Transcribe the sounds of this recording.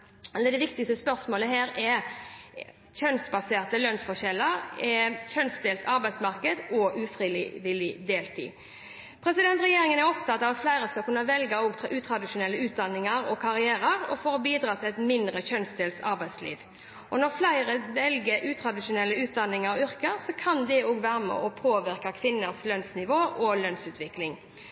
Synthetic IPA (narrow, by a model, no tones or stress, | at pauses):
ɛləd̪ɛʋɪk̚t̪ɪst̪əspœɾsmoːləɦeːɾɛ | çœnsbɑseːʁt̪əlœnsfɔʂɛlːəɾɛçœnsd̪eːlsɑɾbæɪsmɑʁkəd̪ɔʔʉfɾiːl̰ʋɪlɪd̪eːlt̪ʰḭː | pʰɾɛsɪd̪ɛnt̪ɾɛjeːɾɪŋənæɾɔpt̪ʰɑt̪ːɑːʋɑt̪flæɪɾəskɑkʉnːəʋɛlɡəɔːɡt̪ʰʔʉːt̪ʰɾɑd̪ɪʂʊnɛlːəʉːt̪̚d̪ɑnːɪŋəɾɔkʰɑɾɪæːɾəɾɔ̰foːɾɔbiːd̪ɾɑːt̪ʰɪlɛt̪mɪnd̪ɾəçœnsd̪eːlsɑɾbæɪslḭːʋ | ʔɔnɔʁflæɪɾəʋɛlɡəʔʉːt̪ʰɾɑd̪ɪʂʊnɛlːəʉːt̪̚d̪ɑnɪŋɑɾʏɾkəɾsɔkʰɑnd̪ɛoːɡʋæːɾəmɛ̰ʔɔpʰoːʋɪʁkɑkʰʋɪnːəslœnsnɪʋoːʔɔlœnsʉːt̪ʰʋɪklɪŋ